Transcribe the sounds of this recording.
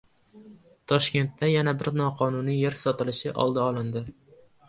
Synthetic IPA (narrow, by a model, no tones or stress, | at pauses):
t̪ʰɒʃkʲe̞nt̪ːajanabɪɾnɒqʰɒnunije̞ɾsɒt̪ɪlɪʃɪʔɒ̰lˠd̪aɒlˠɪnd̪ɪ